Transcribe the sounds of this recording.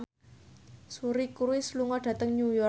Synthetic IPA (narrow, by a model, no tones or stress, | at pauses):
suɾikuɾwisluŋɔɖ̥ä̤t̪əŋɲujɔ